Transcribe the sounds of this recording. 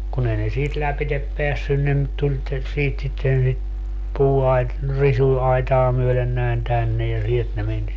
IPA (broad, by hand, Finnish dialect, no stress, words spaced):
kun ei ne siːt læpitep peæsːyn ne m tulʲ te siːt sitːen sit puːɑit risuɑitɑː myølen næin tænːe jɑ sielt ne men